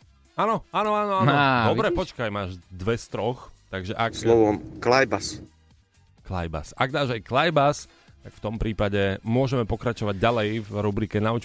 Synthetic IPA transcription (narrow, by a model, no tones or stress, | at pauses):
aːnɔaːnɔaːnɔaːnɔd̪ɔbɾɛpɔt͡ʃkajmaːʒd̪ʋɛst̪ɾɔxt̪aɡʒɛʔakslɔʋɔmklajbas | kla̰jba̰saɡd̪aːʒajklajbas | t̪akft̪ɔmpɾiːpaɟɛmʊɔʒɛmɛpɔkɾat͡ʃɔʋaɟːalɛjvɾubɾiːkɛnaut͡ʃ